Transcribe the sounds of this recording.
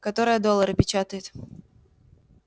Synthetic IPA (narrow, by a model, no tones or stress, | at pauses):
kat̪ɔɾɨjɐd̪ɔlˠːəɾɨpʲɪt͡ɕat̪əjɪt̪